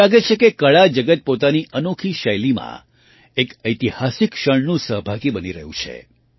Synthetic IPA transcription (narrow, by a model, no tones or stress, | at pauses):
aɡet͡ʃʰekekəɭad͡ʒəɡət̪̚pot̪aniʔənokʰiʃəjlimã̰ | ekəjt̪ihasɪkʃəɳnũsəɦbʱaɡibəniɾəɦũt͡ʃʰḛ